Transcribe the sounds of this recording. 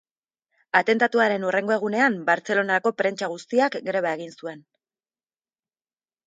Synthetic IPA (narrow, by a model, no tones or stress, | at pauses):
at̪e̞nt̪at̪uaɾe̞nure̞ŋɡo̞e̞ɣune̞ambaɾt͡se̞lo̞naɾako̞pɾe̞nt͡ʃaɣ̞ust̪iakɡɾe̞β̞aeɣinsue̞n